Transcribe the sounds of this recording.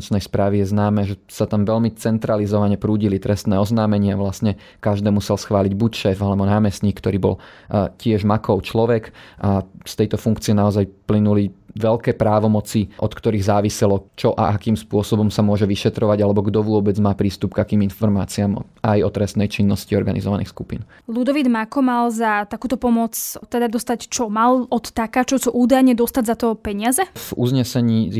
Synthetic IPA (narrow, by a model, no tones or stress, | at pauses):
t͡ʃnɛjspɾaːʋijɛznaːmɛːʒɛsat̪amʋɛlmit͡sɛnt̪ɾalizɔʋaɲɛpɾuːɟilit̪ɾɛst̪nɛːɔznaːmɛɲɪɛaʋlast̪ɲɛ | kaʒd̪ɛːmusɛlsxʋaːliɟbucʃɛːfalɛbɔnaːmɛsɲiːkːt̪ɔɾiːbɔ̰lcɪɛʒmakɔʊt͡ʃlɔʋɛkʔast̪ɛjt̪ɔfuŋkt͡siɪɛnaɔzajplinuliʋɛlkɛːpɾaːʋɔmɔt͡siʔɔt̪kt̪ɔɾiɣzaːʋisɛlɔt͡ʃɔʔa̰ʔakiːmspʊɔsɔbɔmsamʊɔʒɛʋiʃɛt̪ɾɔʋaɟalɛbɔɡd̪ɔʋʊɔbɛd͡zmaːpɾiːst̪upɡakiːminfɔɾmaːt͡siam | ajɔt̪ɾɛst̪nɛjt͡ʃinːɔsciɔɾɡanḭzɔʋanḭxskupḭːn | lud̪ɔʋid̪makɔmalzat̪akuːt̪ɔpɔmɔt͡st̪ɛd̪ad̪ɔst̪act͡ʃɔmalɔt̪ːakaːt͡ʃɔt͡sɔʔuːd̪ajɲɛd̪ɔst̪aɟzat̪ɔpɛɲɪazɛvuzɲɛsɛɲiː